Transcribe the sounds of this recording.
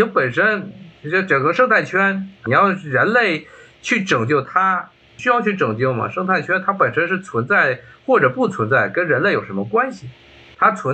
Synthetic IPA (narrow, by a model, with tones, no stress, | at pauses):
o˥pə˨˩nʂə˥nt͡ɕ̩˥˧˥ʈ͡ʂɤ˨˩ŋkə˥ʂɤ˥˧ŋt̪ʰa˥˩ɪt͡ɕʰɥɛ˥nni˨˩jɑ˥˧ʊ˥˩ɻə˧˥nle˥˧˩ɪ | t͡ɕʰy˥˩ʈ͡ʂɤ˨˩ŋt͡ɕjo˥˩ʊt̪ʰa˥˩ | ɕy˥jɑ˥˧ʊt͡ɕʰy˥˩ʈ͡ʂɤ˨˩ŋt͡ɕjo˥˩ʊmɐ̰˩ʂɤ˥˧ŋt̪ʰa˥˧˩ɪt͡ɕʰɥɛ˥nt̪ʰa˥pə˨˩nʂə˥nʂɻ̩˥˩t͡sʰwə˧˥nt͡sa˥˩ɪxwɔ˥˩ʈ͡ʂɤ˨˩pu˥˩t͡sʰwə˧˥nt͡sa˥˩ɪkə˥nɻə˧˥nle˥˩ɪjo˨˩ʊʂə˧˥mə˧kwa˥nɕi˨ | t̪ʰa˥t͡sʰwə˧˥n